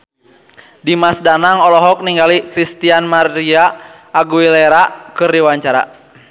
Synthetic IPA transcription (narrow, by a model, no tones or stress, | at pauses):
dimasdanaŋɔlɔɦɔk̚niŋɡalikɾist̪ianmariaː | ɡuilɛɾakɨrdiwaɲt͡ʃaɾa̰